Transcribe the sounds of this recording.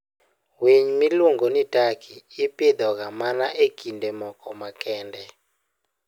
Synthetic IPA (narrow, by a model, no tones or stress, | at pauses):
wiɲmiluŋɡonitakʰiːpɪd̪ɔɡamanaʔekʰindemɔkɔmakʰɛndɛ